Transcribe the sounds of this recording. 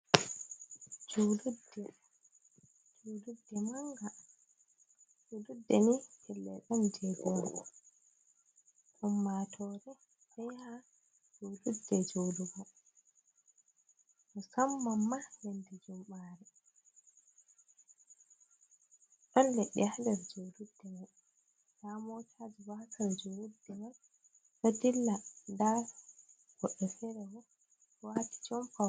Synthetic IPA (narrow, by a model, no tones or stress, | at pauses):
d͡ʒoludːɛ | d͡ʒoːdudːɛmaŋɡa | d͡ʒududːɛmihɛlːɛɗɔmd͡ʒɛɡɔ | ʔɔmːatʰɔɾɛ | ɓɛjha | d͡ʒududːɛd͡ʒoːduɡɔ | mɔsamːamːanendid͡ʒumːaːɾɛ | ɗɔnleɗːihadɛɾd͡ʒoːludːɛmaɗ | damɔtʰad͡ʒibakʰaɾd͡ʒoludːɛman | sadilːanda | ɡ̥ɔɗːɛfɛɾɛwɔ | wati̥t͡ʃɔmfa